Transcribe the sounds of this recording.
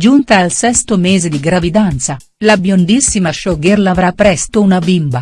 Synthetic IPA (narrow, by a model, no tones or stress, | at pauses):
d͡ʒunt̪aːlsɛst̪omeːzed̪iɡɾavid̪ant̪sa | labjond̪isːimaʃɔɡerlavɾapɾɛst̪ounabimba